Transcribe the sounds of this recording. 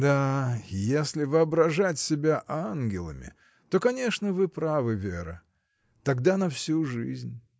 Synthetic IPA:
d̪ajesʲlʲɪvɨɐbɾɐʐatʲsʲɪbʲaʔanɡʲɪlˠə̰mʲɪ̰ | t̪o̞kɐnʲe̞ʂnəvɨpɾavɨvʲeɾə̰ | t̪ɐɡd̪anɐfsʲuʐɨzʲnʲ

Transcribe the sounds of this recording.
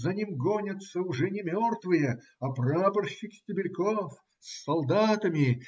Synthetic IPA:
zɐnʲimɡonʲət̪səʊʐɛnʲɪmʲort̪vɨjə | ɐprapərɕːɪksʲtʲɪbʲɪlʲkof | sʲːɐlˠd̪at̪əmʲɪ

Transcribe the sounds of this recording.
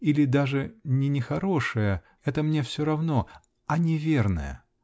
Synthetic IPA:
ilʲɪd̪aʐɨnʲɪnʲɪxɐɾo̞ʂɨjə | ɛt̪əmnʲe̞fsʲoɾɐvno̞ | ɐnʲɪvʲe̞rnə̰jə̰

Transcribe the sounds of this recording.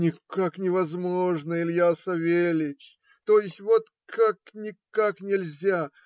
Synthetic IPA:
nʲɪkaknʲɪvɐzmo̞ʐnəɪlʲjasɐvʲelʲɪtʲ | t̪ojɪsʲtʲvot̪ | kʰaknʲɪkkaknʲɪlʲzʲa

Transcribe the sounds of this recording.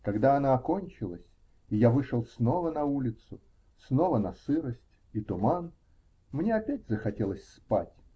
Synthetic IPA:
kɐɡd̪aɐnaɐko̞nʲt͡ɕɪlˠəsʲ | ijavɨʂəlˠsno̞vənɐulʲɪt̪sʊ | sno̞vənɐsɨɾəsʲtʲ | it̪ʊman | mnʲeɐpʲætʲzəxɐtʲe̞lˠəsʲspa̰tʲ

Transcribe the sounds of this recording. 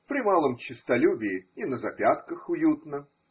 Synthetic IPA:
pɾʲɪmalˠəmt͡ɕɪst̪ɐlʲubʲɪːinəzɐpʲat̪kəxʊjut̪nə

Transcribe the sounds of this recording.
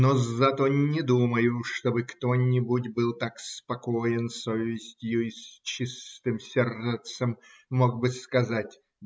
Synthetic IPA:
nozɐt̪onʲɪd̪uməjʊʂt̪o̞bɨkt̪o̞nʲɪbutʲbɨlˠt̪akspɐko̞jɪnsovʲɪsʲtʲjuisʲt͡ɕist̪ɨmsʲert̪səmːoɡ̚bɨskɐzatʲ

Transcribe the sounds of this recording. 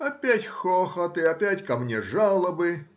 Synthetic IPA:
ɐpʲætʲxɔxɐt̪ɪapʲætʲkɐmnʲeʐalˠɐbɨ

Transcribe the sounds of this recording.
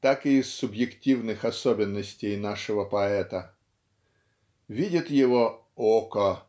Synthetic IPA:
t̪akɨːsːʊbjɪktʲivnɨxɐsobʲɪnːəsʲtʲejnaʂəvəpɐɛt̪ə | vʲidʲɪt̪jɪvo | okə

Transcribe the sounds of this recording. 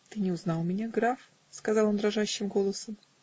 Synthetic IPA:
t̪ɨnʲɪʊznɑlˠmʲɪnʲaɡɾaf | skɐzɑlˠond̪ɾɐʐaɕːɪmɡo̞lˠəsəm

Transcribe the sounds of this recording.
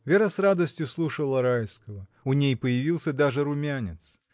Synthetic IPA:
vʲeɾəsrad̪əsʲtʲjʊslˠuʂəlˠəɾajskəvəʊnʲejpəjɪvʲilˠsʲəd̪aʐɨɾʊmʲanʲɪt̪s

